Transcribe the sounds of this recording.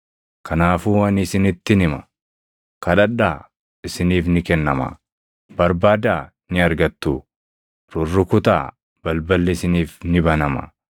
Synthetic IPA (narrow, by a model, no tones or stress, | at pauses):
kʰɐnaːfuːwɐnɪsɪnɪt̪ːɪnɪmɐ | kɐᶑɐᶑːaː | ɪsɪniːfnɪkɛnːɐmɐ̰ | b̥ɐɾbaːd̪aː | nɪɐɾɡɐt̪ːu | ɾʊrːʊkʊt̪a̰ː | b̥ɐlbɐlːɛsɪniːfnɪbɐnɐmɐ̰